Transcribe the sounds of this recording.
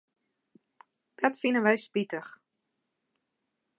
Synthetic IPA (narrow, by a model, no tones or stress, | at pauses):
d̥ɔtfinənʋɛjspitəx